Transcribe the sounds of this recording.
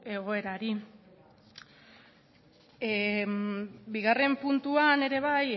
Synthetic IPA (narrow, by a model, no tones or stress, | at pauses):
e̞ɣ̞o̞e̞ɾaɾi | biɣare̞mpunt̪uane̞ɾe̞βaj